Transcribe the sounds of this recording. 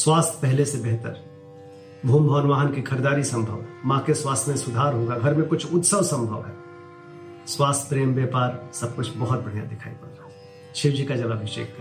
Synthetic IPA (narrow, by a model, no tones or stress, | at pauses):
swaːst̪ʰpɛɦlesebeɦt̪əɾ | bʱuːmbʱəʋənʋaːɦənkikʰɐɾed̪aːɾisɐ̃mbʱə̰ʋmãːkeswaːst̪ʰmẽsʊd̪ʱaːɾɦoɡaɡʱɐɾmẽkʊt͡ʃʰʊt̪səʋsɐ̃mbʱəʋɦɛː | swaːst̪ʰpɾeːmbjɛːpaːɾsɐb̚kʊt͡ʃʰbɔɦʊt̪̚bɐɽ̤ija̰d̪ɪkʰa̰ːḭpɐɾɾa | t͡ʃʰɪd͡ʒikad͡ʒɐɡabɪʃḛːk̚t̪ʰː